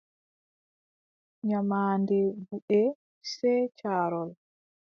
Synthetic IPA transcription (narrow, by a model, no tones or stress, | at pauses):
ɲamaːndɛbuɓɛ | sɛt͡ʃaːɾɔl